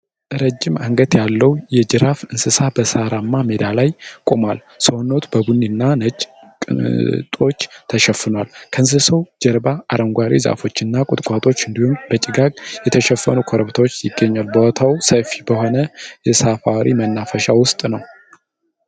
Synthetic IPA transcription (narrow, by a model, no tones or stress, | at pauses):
ʔɾəd͡ʒːɪmaŋɡət̪jalːəwjɛd͡ʒɨɾafɨnsɨsabəsaɾamːamed̪alajkʼomal | səno̞t̪ʰbəbunːinːanət͡ʃʼ | t̪ʼo̞t͡ʃːt̪ʰəʃɛfːɨnwalkʰəɨns̬ɨsəwd͡ʒɛɾbaʔaɾəŋɡʷaɾḭza̰fo̞t͡ʃːɨnːakʼʊt̪ʼkʼat̪ʼo̞t͡ʃːɨnd̪ihumbət͡ʃʼɪɡakʼjɛt̪ʰəʃɛfːənukʰoɾəβt̪ʰawot͡ʃːjɪɡːəɲːalbəwɔt̪ʰawsəfibəɦo̞nəjɛsafaɾimənːafəʃawʊst̪ʼnəw